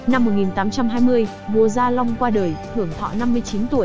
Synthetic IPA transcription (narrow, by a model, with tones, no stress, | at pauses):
na˧mːo˨˩t̚ŋi˨˩nt̪aː˨˦mt͡ɕa˧mɦaː˧jmɨ˧əj | vu˨˩əzaː˧la˧wŋ͡mkwaː˧ɗəː˨˩jh̪ɨ˧˩əŋt̪ʰɔ̰˧˨na˧mːɨ˧əjt͡ɕi˨˦nt̪u˧˩əj